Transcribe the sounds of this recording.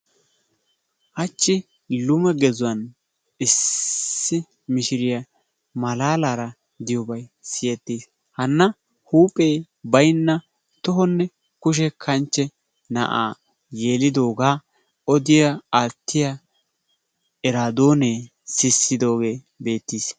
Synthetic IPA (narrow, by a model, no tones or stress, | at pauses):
ʔɐt͡ʃːɪ | lʊmɛɡɛzʊwɐn | ɪsː | ɪ | mɪʃɪɾɪjɐ | mɐlaːlaːɾɐ | d̪ɪjɔbɐjsɪjɛt̪ːiːs | hɐnːɐ | huːpʼe̞ː | bɐjnːɐ | t̪ɔɦɔnːɛ | kʊʃ̬ɛkʰɐnt͡ʃːɛ | nɐ̰ʔa̰ː | je̞ːlɪd̪o̞ːɡaː | ɔd̪ɪjɐaːt̪ːɪjɐ | ɛɾaːd̪o̞ːneː | sɪsːɪd̪o̞ːɡe̞ː | be̞ːt̪ːiːs